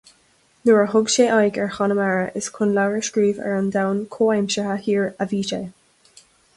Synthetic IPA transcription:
nuɹəɦʊɡʃeːʔajɡɛɹxɑnəmaɹəʔɪskʰʊnlawɹəʃkɹiːvɛ̰ɹɔnd̪awnkʰoːajmʃəhahiːɹaviːʃeː

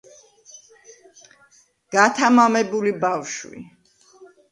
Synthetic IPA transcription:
ɡ̥at̪ʰamamɛbulibafʃwḭ

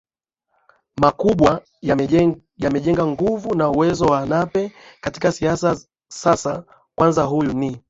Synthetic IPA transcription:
makuɓwa | jamɛʄɛŋɡaŋɡuvunauwɛzɔwanapɛkati̥kasiasa | sasa | kwanzaɦujuni

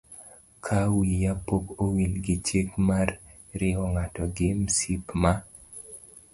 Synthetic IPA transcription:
kʰawijapokowilɡɪt͡ʃekmar | ɾɪɔŋatɔɡɪmsipma

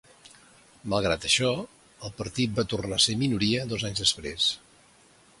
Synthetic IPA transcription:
məlˠɣ̞ɾat̪əʃɔ | əlˠpəɾt̪it̪̚bat̪urnaseminuɾiəðɔzaɲzðəspɾḛs

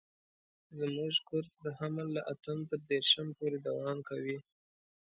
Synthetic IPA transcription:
zmuʒkʊɾsd̪əhamalːaʔat̪əmt̪əɾd̪eɾʃəmpoɾed̪awɑmkawi

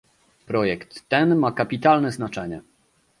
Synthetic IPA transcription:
pɾɔjɛkt̪ːɛnmakapʲit̪alnɛznat͡ʂɛɲɛ

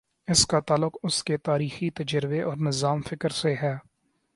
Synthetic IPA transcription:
ɪskat̪aːlːʊqʊsket̪aːɾiːxit̪ɐd͡ʒəɾɪbeʔɔːɾnɪzaːmfɪkəɾseɦɛː

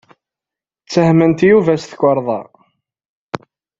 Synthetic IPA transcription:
t͡sːəhmənt̪juvæsθəkʷːəɾˤðˤɑ̰

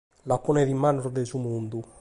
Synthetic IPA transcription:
lapːɔnɛðimːanuɾd̪ɛzumund̪u

